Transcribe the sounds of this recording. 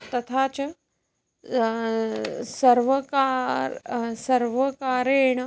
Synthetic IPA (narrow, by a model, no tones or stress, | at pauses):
t̪ɐt̪ʰaːt͡ʃɐ | sɐɾʋɐkaːɾsɐɾʋɐkaːɾeːɳ̃ɐ